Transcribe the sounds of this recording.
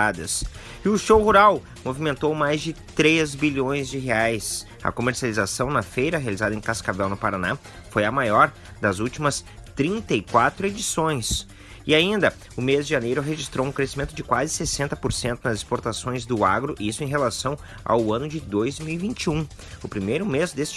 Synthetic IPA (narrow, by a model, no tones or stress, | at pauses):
ad̪ɐs | ɪʊʃowhuɾaw | movimẽnt̪owmajzd͡ʒɪt̪ɾezbiʎõj̃zd͡ʒɪɦeajs | ɐ̰komeɾsializasɐ̃w̃nɐfejɾɐɦealizad̪ɐẽkaskavɛwnʊpaɾana | fojɐmajɔɾ | d̪ɐzuwt͡ʃimɐs | t̪ɾĩnt̪ɐikwat̪ɾʊed͡ʒisõj̃s | ɪaĩnd̪ɐ | ʊmezd͡ʒɪʒanejɾʊɦeʒist̪ɾowũkɾesimẽnt̪ʊd͡ʒɪkwazɪsesẽnt̪ɐpoɾsẽnt̪ʊnɐzɪspoɾt̪asõj̃zd̪ʊa̰ɡɾʊʔisʊẽj̃ɦelasɐ̃w̃ | a̰wɐ̃nʊd͡ʒɪd̪ojzmiwivĩnt͡ʃiũ | ʊpɾimejɾʊmezd̪esɪ̥